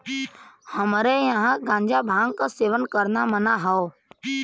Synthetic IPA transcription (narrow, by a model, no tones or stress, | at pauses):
həmɾejãɦãɡʱãːɲd͡ʒaːbʱãːŋɡkaseːʋənkəɾnamənaɦao